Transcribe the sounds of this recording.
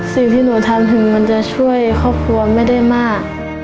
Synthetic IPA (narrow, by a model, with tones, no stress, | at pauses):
si˨˩ŋt̪ʰiː˥˩nuː˨˩˦t̪ʰa˧mt̪ʰɯ˨˩˦ŋma˧˥nt͡ɕa˧˩t͡ɕʰu˥˩əjkʰɔː˥˩p̚kʰu˧ɐma˥˩jda˥˩jmaː˥˩k̚